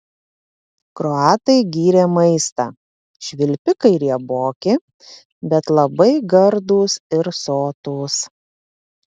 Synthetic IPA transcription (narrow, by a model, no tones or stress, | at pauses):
kɾɔɑːt̪ɐɪɡʲiːɾʲeːmɐɪst̪ɑː | ʃʲʋʲɪlʲpʲɪkɐɪɾʲiɛboːkʲɪ | bʲɛt̪lˠɐbɐɪɡɐɾd̪uːsɪɾsoːt̪uːs